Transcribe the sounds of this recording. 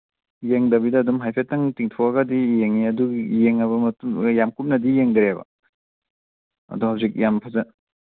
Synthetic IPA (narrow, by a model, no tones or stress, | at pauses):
jeŋdɐbidɐːdumɦajpʰetːaŋtiŋtʰɔɐɡɐdijeŋiɐduɡijeŋɐβɐmɐtumjamkup̚nɐdijeŋdɾebɐ̰ | ɐ̰duhawzik̚jampʰazɐ